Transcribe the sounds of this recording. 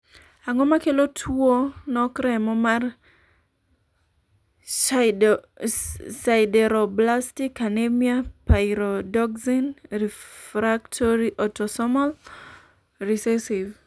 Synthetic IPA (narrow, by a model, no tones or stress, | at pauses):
aŋɔmakelotʰwonɔkɾɛmɔmar | saɪdɛɾɔblastikanemiapaiɾɔdɔkzinrifɾaktʰoɾiʔɔtɔsɔmɔl | risɛsiv